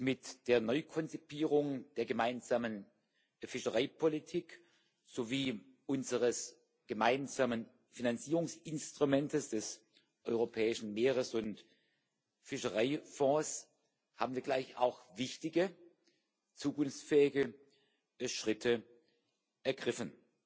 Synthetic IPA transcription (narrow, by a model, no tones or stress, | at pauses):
mɪtd̥eːɐnɔʏkʰɔnt͡sipʰiːʁ̞ʊŋd̥eːɐɡəmaɪnzaːmən | fɪʃəʁaɪpʰolitʰiːk | z̥oːviː | ʔʊnzəʁəs | ɡ̥əmaɪnzaːmən | finant͡siːʁʊŋsɪnstʁ̥umɛntəsd̥ɛs | ʔɔʏʁopʰɛːɪʃn̩meːʁ̞əsʊnt | fɪʃɐʁaɪfɔ̃ːs | haːbm̩viːɐɡlaɪça̰ʊxvɪçtɪɡə | t͡suːkʊnft͡sfɛːɪɡə | ʃʁ̥ɪtʰə | ʔɛɐɡʁɪfn